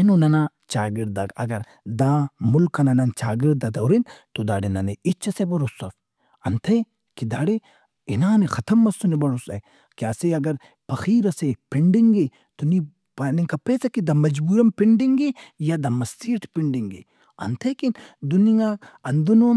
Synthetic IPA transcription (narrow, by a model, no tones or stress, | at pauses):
enonɐna | t͡ʃaːɡiɾd̪aɡɐ̰ɡɐɾ | d̪aːmʊlkɐnɐnɐnt͡ʃaːɡiɾd̪ad̪ɐwɾint̪od̪a̰ːɽenɐneit͡ʃʰːɐsebɐɾosɐf | ɐnt̪ʰɐ | kid̪aːɽe | inaːnexɐt̪ʰɐmːɐsunebɐɾosɐ̰ | kjaːseɐɡɐɾ | pɐxiːɾɐsepiɳɖiŋɡe | t̪oni | paniŋkapeːsɐkid̪amɐd͡ʒbuːɾɐmpɪɳɖiŋɡejad̪amɐsiːʈʰpɪɳɖiŋɡḛ | ɐ̰nt̪ʰɐkind̪unijaɐnd̪unum